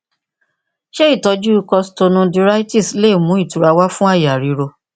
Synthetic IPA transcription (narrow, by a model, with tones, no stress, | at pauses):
ʃɛ˦i˦˨tɔ˨˧d͡ʒu˦kɔ˧sto˧nũ˧di˧ɾa˦jti˦˨sle˦i˦˨mũ˨˦i˦˨tu˨ɾa˧wa˦fũ˦a˦˨ja˨ɾi˨˦ɾo˧